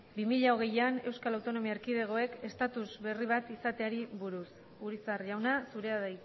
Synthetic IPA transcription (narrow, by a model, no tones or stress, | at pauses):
bimiʎao̞ɣ̞e̞jane̞wskalawt̪o̞no̞miaeɾkiðe̞ɣ̞o̞e̞ke̞st̪at̪uzβe̞riβ̞at̪isat̪e̞aɾiβuɾus | uɾisarʝawnasuɾe̞aðaj